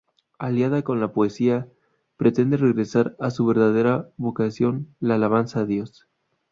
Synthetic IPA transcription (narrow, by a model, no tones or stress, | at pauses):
aljaðako̞nlapoesia | pɾe̞t̪e̞nd̪e̞re̞ɣɾe̞saɾasuβ̞e̞ɾðað̞eɾaβo̞kasjo̞nlaːlaβ̞ansaeðjo̞s